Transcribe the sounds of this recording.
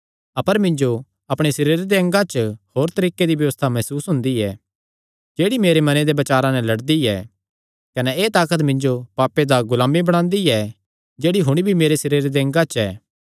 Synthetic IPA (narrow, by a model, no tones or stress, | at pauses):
ɐpəɾmɪ̃ɲd͡ʒo | ɐpɽ̃esɪɾeːɾed̪eɐ̃ŋɡat͡ʃəhoːɾt̪ɐɾiːked̪ibjɐʋəst̪ʰamɐsuːsɦʊ̃nd̪iɛ | d͡ʒeːɽimeːɾemɐned̪ebɐt͡ʃaːɾãnɛ̃lɐɽd̪iɛ | kɐnɛeːt̪aːkət̪mɪ̃ɲd͡ʒopaːpːed̪aɡʊlaːmibɐɽ̃ãːnd̪iɛ | d͡ʒeːɽiɦʊɽ̃ibʱimeːɾesɪɾeːɾd̪eɐ̃ŋɡat͡ʃɛː